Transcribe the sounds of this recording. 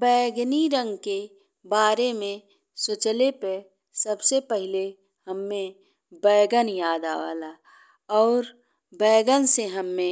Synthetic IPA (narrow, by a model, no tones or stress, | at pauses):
bɛːɡniɾə̃ŋɡke | baːɾemẽ | sʊt͡ʃəlepe | səbsepəɦɪle | hɐmːẽ | bɛːɡənjaːd̪a̰ːʋa̰ːla | ɔːɾ | bɛːɡənseɦɐmːẽ